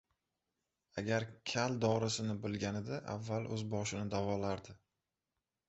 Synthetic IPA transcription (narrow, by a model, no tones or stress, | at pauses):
aɡʲaɾkʲʰald̪ɒɾɪsɪnɪbɪlɡʲanɪd̪aʔa̰vːalʔɵzbɒʃɪnɪd̪avɒlaɾd̪ɪ